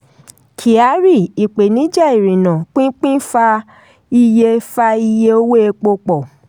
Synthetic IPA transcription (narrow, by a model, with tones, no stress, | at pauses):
kʰi˨a˨˦ɾi˦˨i˨k͡pe˨nĩ˨˦d͡ʒa˦˨i˨ɾĩ˨nã˨k͡pĩ˦k͡pĩ˦fa˧ | i˧je˧fa˧i˧je˧o˧we˦e˧k͡po˧k͡pɔ˨